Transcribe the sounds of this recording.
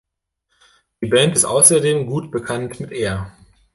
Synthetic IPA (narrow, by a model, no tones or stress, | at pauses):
d̥iːbɛntɪstʔaʊsɐdeːmɡuːtb̥əkʰantmɪtʔeːɐ